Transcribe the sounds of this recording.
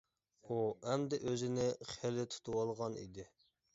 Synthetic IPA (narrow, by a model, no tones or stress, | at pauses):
uɛmd̪ɛʔøzɪnɪχelɪt̪ʰu̥t̪ʰuwɑlˠʁɑnḭd̪ɪ